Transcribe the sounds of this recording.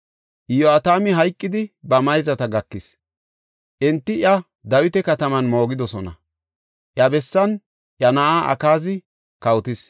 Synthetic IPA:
ʔɪjoat̪aːmɪɦɐjkʼːɪd̪ɪbɐmɐjzɐt̪ɐɡɐkːɪs | ʔɛnt̪ːɪjɐ | d̪ɐwɪt̪ɛkɐt̪ɐmɐnmo̞ːɡɪd̪ɔsɔnɐ̰ | ʔjɐbɛsːɐn | ʔjɐnaʔaːʔɐ̰kaːzɪ | kɐwt̪ɪs

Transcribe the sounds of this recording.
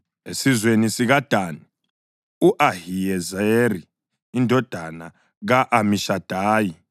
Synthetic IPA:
esizwenisiɣad̥ʱaːni | uʔahijɛzaeriː | ndʱɔd̥ʱana | ɣaʔamiʃad̥ʱaːji

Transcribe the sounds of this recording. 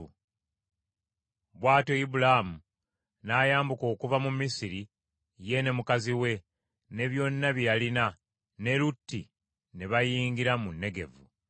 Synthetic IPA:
βwaːto̞ibulamu | naːjaːmbuko̞ːkuvamumisiɾi | je̞ne̞mukaziwe̞ | ne̞βjo̞nːaβijalina | ne̞lutːi | neβajiːŋɡiɾamunːe̞ɡe̞̰vu

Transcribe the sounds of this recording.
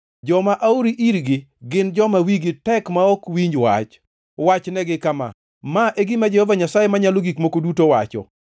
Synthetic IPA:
d͡ʒɔmaʔauɾiʔiɾɡɪɡɪnd͡ʒɔmawiɡɪtɛkmaɔkwiɲd͡ʒwa̰t͡ʃ | wat͡ʃnɛɡɪkama̰ | maʔeɡɪmad͡ʒehɔvaɲasajemaɲaloɡikmokodutowat͡ʃɔ̰

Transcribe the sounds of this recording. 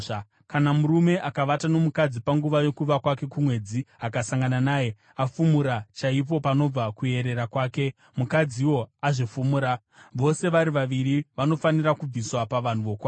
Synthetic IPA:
kanamuɾume̞ʔakaʋatano̞mukad͡zipaŋɡuʋajokuʋakwake̞kumwe̞d͡ziakasaŋɡananaːje̞ | afumuɾat͡ʃaip̬o̞pano̞b͡vakue̞ɾe̞ɾakwaːke̞ | mukad͡ziiwo̞aʐifumuɾa | ʋo̞se̞ʋaɾiʋaʋiɾiʋano̞fanirakub͡viswapaʋan̤uʋo̞kwaː

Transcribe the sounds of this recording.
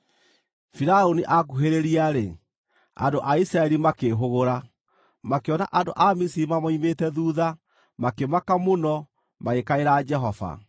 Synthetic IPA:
fiɾaoniʔak̬uɦeɾeɾiaɾe | a̰ndoʔaisɾaɛɾimakeɦoɣoɾa | makeɔna̰ʔado̰ʔamisiɾimamɔimetɛðuːða | makemakamonɔ | maɣekaeɾaːd͡ʒɛɦɔva̰

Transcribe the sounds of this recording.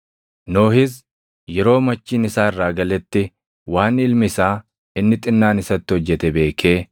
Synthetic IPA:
no̞ːhɪs | jɛɾo̞ːmɐt͡ʃːiːnɪsaːɪrːaːɡɐlɛt̪ːɪ | waːnɪlmɪsaː | ɪnːɪt̪ʼɪnːaːnɪsɐt̪ːɪɔd͡ʒːɛt̪ɛbe̞ːkʰe̞ː

